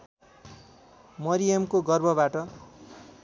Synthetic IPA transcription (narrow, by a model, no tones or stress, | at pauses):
mʌɾijʌmkoɡʌrbʱʌbaʈʌ